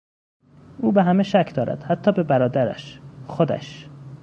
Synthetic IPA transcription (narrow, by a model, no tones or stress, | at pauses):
ʔuːbeɦæmeʃæcʰd̪ɒːɾæ̰d̪̥hæt̪ʰːɒːbe̞bæɾɒːd̪æɾæ̰ʃxod̪æ̰ʃ